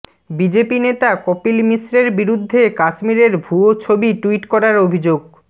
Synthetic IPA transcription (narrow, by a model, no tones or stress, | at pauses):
bid͡ʑepinet̪akɔpilmisɾeɾbiɾud̪ʱːekaʃmiɾeɾbʱuot͡ɕʰobiʈuiʈkɔɾaɾobʱid͡ʑoɡ